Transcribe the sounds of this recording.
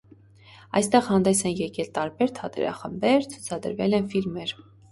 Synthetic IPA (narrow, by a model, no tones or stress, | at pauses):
ɑjst̪ɛʁhɑnd̪ɛsɛnjɛkɛlt̪ɑɾbɛɾt̪ʰɑt̪ɛ̰ɾɑ̰χəmbɛɾt͡sʰu̥t͡sʰɑd̪ə̰ɾvɛ̰lɛnfilmɛɾ